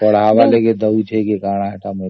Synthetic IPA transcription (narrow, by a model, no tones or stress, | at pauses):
pəɽ̤ɦaʋaleked̪əwt͡ʃʰekekaːɽ̃aɦaʈame